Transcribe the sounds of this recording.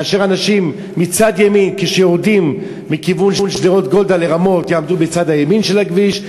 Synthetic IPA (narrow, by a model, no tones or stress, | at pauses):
aːʃeʁanaʃimː | it͡sad̪jeminkeʃejoʁdimː | ikivunʃunʃdeʁo̞t̪ɡo̞ld̪aleʁamo̞t̪jaːmd̪ubet͡sadhajeminʃelaɡviʃ